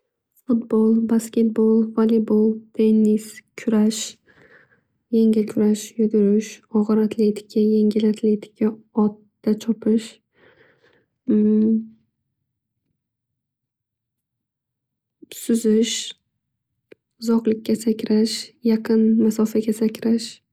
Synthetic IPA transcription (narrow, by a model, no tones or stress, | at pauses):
fʊt̪bolˠbaskʲe̞t̪̚bolˠvalibolˠt̪ʰe̞nːiskʲʰʊɾaʃ | jeŋʲɪlkʲʰʊɾaʃjʊd̪ʊɾɪʃɒʁɨɾat̪ʰle̞t̪ʰɪ̥kʰʲajeŋɡʲɪlat̪ʰlet̪ʰɪ̥kʲʰaɒt̪ːat͡ʃʰɒpʰɪʃ | sʊzɪʃ | ʊzɒqlˠɪkʲːasakʲʰɾaʃjɑqʰɨnmasɒfaɡʲasakʲʰɾaʃ